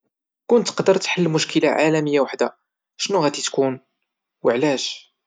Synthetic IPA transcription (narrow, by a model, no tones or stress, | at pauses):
kʊnt̪ːəqd̪əɾˤt̪ħəlːmʊʃkəlaʕalæməjːawəħd̪a | ʃnuɣæt̪it̪kun | wəʕlæʃ